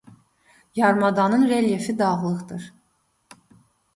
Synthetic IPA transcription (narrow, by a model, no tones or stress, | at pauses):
jɑɾmɑd̪ɑnɯnɾeljefid̪ɑɣlˠɯχd̪ɯɾ